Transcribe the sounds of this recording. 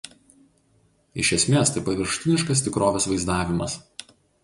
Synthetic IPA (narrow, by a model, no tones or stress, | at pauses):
ɪʃʲɛsʲmʲeːst̪ɐɪpɐʋʲɪɾʃt̪ʲɪnʲɪʃkɐs̬t̪ʲɪkɾoːʋʲesʋɐɪzd̪ɑːʋʲɪmɐs